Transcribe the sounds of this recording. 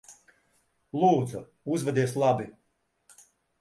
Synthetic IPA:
lˠuːd̪zu | uzvɛd̪iɛs̬lˠabi

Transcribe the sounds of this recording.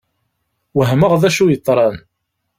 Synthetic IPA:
wəɦməʁðæʃujət̪ˤːɾˤɑn

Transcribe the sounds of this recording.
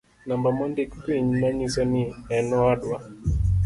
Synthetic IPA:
nambamɔndiktiɲnaɲisɔniɛnɔaɗwa

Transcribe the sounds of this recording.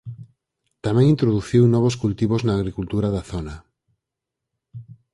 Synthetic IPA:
t̪amẽŋĩnt̪ɾoðuθiwnɔβ̞oskult̪iβoznaːɣɾikult̪uɾaðaθona

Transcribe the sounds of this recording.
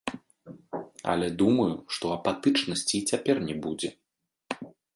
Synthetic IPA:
ɐ̰lʲɛd̪umɐjuʂt̪ɔɐpat̪ɨt͡ʂnɐsʲt͡sʲit͡sʲapʲɛrnʲɛbud͡zʲɛ

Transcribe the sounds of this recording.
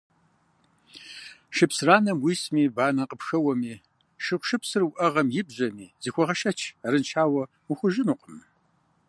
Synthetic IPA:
ʃɨpsraːnɐmwismiːbaːnɐqəpxɐwɐmiː | ʃɨqʷʃɨpsɨrwʔɐʁɐmjɪbʑʷɐmḭːziːxʷɔʁɐʃɐt͡ʃʰaɾɨnt͡ʃʰaːwɐ | uxʷʊʒɪnuqəm

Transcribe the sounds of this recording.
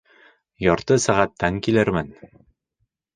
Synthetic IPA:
jɒɾt̪ɤsæʁæt̪ʰːæŋkilɘɾmɘn

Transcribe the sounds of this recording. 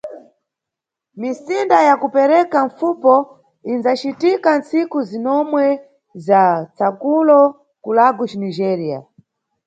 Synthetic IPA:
misindajakupɛɾɛkaɱfupɔ | inzat͡ʃitikant͡sikuzinɔmwɛ | zat͡sakulɔ | kulaɡut͡ʃinid͡ʒɛɾia̰

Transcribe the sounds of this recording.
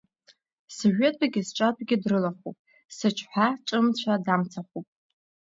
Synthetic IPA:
soʒʷᶣetʼaɡʲɪzʈ͡ʂʷʼatʷʰʼɡʲɪdrɨlaχṵpʼ | sɨt͡ʃʷʰħʷᶣaʈ͡ʂʷʼɨmt͡ɕʷʰadamt͡sʰaχupʼ

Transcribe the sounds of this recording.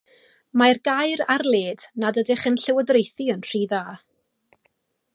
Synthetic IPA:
marɡajrarlˠeːdnadədɪχənɬɛwədrejθiənr̥iːðaː

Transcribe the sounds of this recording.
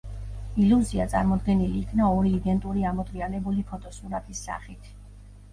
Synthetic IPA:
iluzia̰t̪sʼa̰ɾmɔd̪ɡɛniliːkʰnaɔɾiːd̪ɛnt̪ʼuɾiamɔd̪ɾianɛbulipʰɔt̪ʼɔsuɾat̪ʰʼisːa̰χit̪ʰ

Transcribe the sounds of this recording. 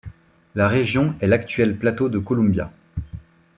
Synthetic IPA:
laʁeʒjɔ̃ɛlakt̪ɥɛlplat̪od̪əkɔlɔ̃bja̰

